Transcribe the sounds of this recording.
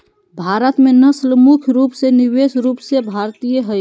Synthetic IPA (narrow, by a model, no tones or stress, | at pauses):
bʱaɾət̪mẽnəslmukʰɾuːpseniwesɾuːpsebʱaɾt̪ijəɦəj